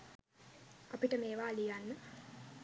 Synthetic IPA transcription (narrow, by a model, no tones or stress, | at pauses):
apiʈəmeːʋaːlijanːə